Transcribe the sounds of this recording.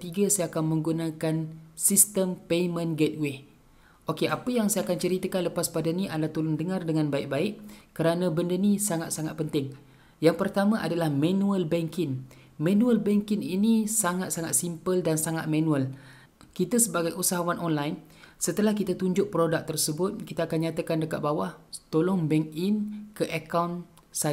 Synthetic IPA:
t̪iɡasajaakanmə̃ŋɡunakansist̪əmpejmə̃nɡɛt̪̚wɪh | ʔokeʔapəjaŋsajakant͡ʃəɾit̪akanləpaspadanĩʔadlaht̪ulʊndəŋãrdəŋãnbaɪʔ̚baɪʔkəɾanãbəndənĩsaŋat̪̚saŋat̪̚pənt̪ɪŋ | jaŋpərt̪amãʔa̰dalahmãnuəlbɛŋkɪn | mãnũəlbɛŋkɪninisaŋat̪̚saŋat̪̚simpəldansaŋat̪̚mãnũəl | kit̪asəbaɡajʔusaɦawanʔonlajn | sət̪əlahkit̪at̪uɲd͡ʒʊʔ̚pəɾodak̚t̪ərsəbʊt̪̚kit̪aːkanɲãt̪akandəkat̪̚bawat̪olɔŋbɛŋinkəʔakawn | sa

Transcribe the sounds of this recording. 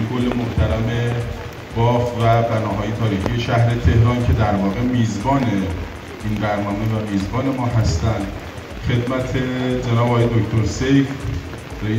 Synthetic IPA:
kʰo̞lːe̞moht̪ʰæɾæme̞ | b̥ɒːfvæbænɒːɦɒːje̞t̪ʰɒːɾiːxije̞ʃæhɾe̞t̪ʰe̞hɾɒːncʰe̞d̪æɾvɒːɣe̞miːzbɒːne | iːnd̪æɾnɒːmevæmiːzbɒːne̞mɒːɦæst̪ænd̪ | χe̞d̪mæt̪ʰed͡ʒe̞nɒːbːjed̪ocʰt̪ʰoɾsejf | rei

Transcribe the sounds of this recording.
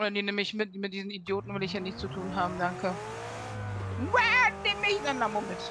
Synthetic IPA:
odɐndinɪmɪçmɪtmɪt̚d̥iːzn̩idjoːtn̩vɪlɪçanɪçtt͡sutʰuːnɦaːbm̩daŋkʰə | wɛdɪmɪçzɛnːamomɪt

